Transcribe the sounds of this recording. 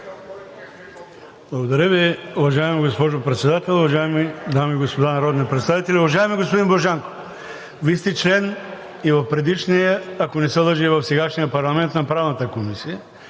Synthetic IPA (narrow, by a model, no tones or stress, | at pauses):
blˠɐɡod̪ɐɾʲəviovɐʒajmiɡospɔʒopɾɛt̪sɛd̪at̪ɛlˠovɐʒajmid̪amiɡospod̪anɐɾɔd̪nipɾɛt̪st̪avit̪ɛlʲiovɐʒajmiɡospod̪inboʒaŋko̥ | vist̪ɛt͡ʃlɛn | ivɐfpɾɛd̪iʃnijəakonɛsɛlˠəʒivɐfsɛɡaʃnijəpɐɾlˠɐmɛnt̪nɐpɾavnɐt̪əkomisijə